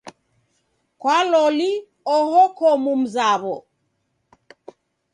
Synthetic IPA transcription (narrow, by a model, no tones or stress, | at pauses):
kwalɔli | ɔhɔkʰɔmum̩zaβɔ